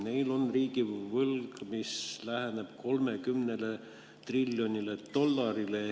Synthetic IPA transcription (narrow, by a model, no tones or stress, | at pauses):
ne̞jlo̞nriːɡ̥ivɤlɡmislæheneb̥kʰo̞lme̞kymnele̞ | t̪rilʲːjo̞nʲilet̪o̞lːɑɾile